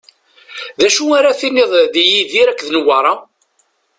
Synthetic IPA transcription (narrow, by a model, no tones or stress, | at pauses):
ðæʃuaɾaθinːɪðˤðijiðiɾækːðnəwɑɾˤɑ